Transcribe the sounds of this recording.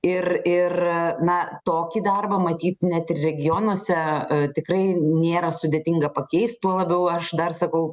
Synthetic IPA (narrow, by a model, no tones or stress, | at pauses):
ɪrɪrnɐt̪oːkʲiːd̪ɐrbɐmɐt̪ʲiːt̪nʲɛt̪ɪrrʲɛɡʲɪjoːnuɔsʲɛt̪ʲɪkɾɐɪnʲeːɾɐsʊd̪ʲeːt̪ʲɪŋɡɐpɐkʲɛɪst̪t̪uɔlˠɐbʲɛʊɐʃd̪ɐrsɐkɐʊ